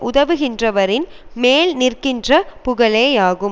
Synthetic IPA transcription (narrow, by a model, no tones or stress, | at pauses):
ʔʊðɐʋɯɣɪndrɐʋɐɾɪnmeːlnɪrkɪndrɐpʊɣɐɭeːjaːɣɯm